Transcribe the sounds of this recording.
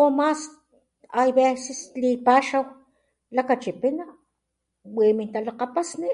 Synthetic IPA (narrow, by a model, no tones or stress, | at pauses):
omas | ajβesislipaʃaw | lakat͡ʃipina | wemint̪alaqapasni